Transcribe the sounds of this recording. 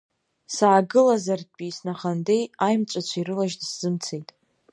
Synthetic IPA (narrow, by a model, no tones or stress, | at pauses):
saːɡɨlazard̚pʼisnaχandejajmt͡ʃʷʼat͡ɕʷʰaiɾɨlaʒdsz̥ɨmt͡sʰe̞jtʼ